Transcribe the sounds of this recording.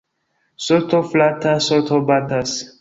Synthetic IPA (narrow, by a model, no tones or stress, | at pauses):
sɔtʰɔflatʰasɔtʰɔbatas